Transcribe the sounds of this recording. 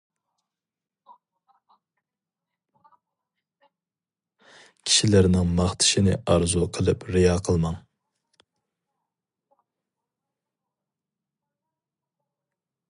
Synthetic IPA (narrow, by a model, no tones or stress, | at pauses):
kʲʰi̥ʃilæɾnɪŋmɑχt̪ʰɪ̥ʃinɪ̰ʔɑɾzuqʰəlˠɨpɾejɑqʰəlˠmɑŋ